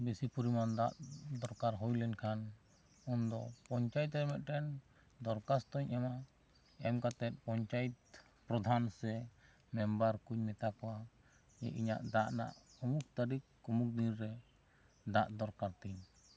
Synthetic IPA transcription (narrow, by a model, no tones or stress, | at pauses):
bisipuɾimand̪aʔd̪ɔɾkaɾɦɔjlɛnkʰan | und̪ɔpɔɲt͡ʃajt̪ɾɛmɛt̪̚ʈɛn | d̪ɔɾkast̪ɔɲɛma | ɛmkat̪ɛt̪̚pɔɲt͡ʃajt̪̚ | pɾɔd̪ʱansɛ | mɛmbaɾkuɲmɛt̪akɔwa | jɛ̰ʔiɲa̰ʔd̪aʔna̰ʔumuk̚t̪aɾikː | umuk̚d̪iɾːɛ | d̪aʔd̪ɔɾkaɾt̪iɲ